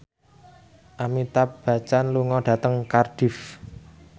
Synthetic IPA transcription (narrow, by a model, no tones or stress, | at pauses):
ʔamit̪ap̚b̥a̤t͡ʃanluŋɔɖ̥a̤t̪əŋkarɖ̥ɪ̤f